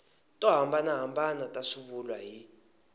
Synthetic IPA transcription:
tʼɔɦambanaɦambanatʼasuɓulwaɦi

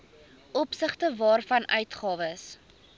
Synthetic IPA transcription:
ʔɔpsəχtəvɑːrfɐnʔœɥtχɑːvəs

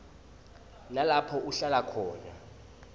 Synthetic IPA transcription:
nalapʰɔʔuɬalakʰɔːna̰

